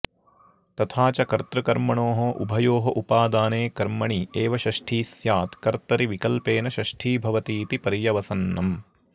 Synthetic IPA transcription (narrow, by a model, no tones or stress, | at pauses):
t̪ɐt̪ʰaːt͡ʃɐkɐɾt̪ɾɐkɐɾmɐɳoːɦɐʔubʱɐjoːɦɐʔupaːd̪aːneːkɐɾmɐɳieːʋɐʃɐʃʈʰiːsjaːt̪kɐɾt̪ɐɾiʋikɐlpeːnɐʃɐʃʈʰiːbʱɐʋɐt̪iːt̪ipɐɾijɐʋɐsɐnːɐm